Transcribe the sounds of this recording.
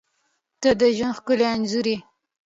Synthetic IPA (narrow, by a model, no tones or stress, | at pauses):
t̪ad̪əʒwanxkəleanzuɾi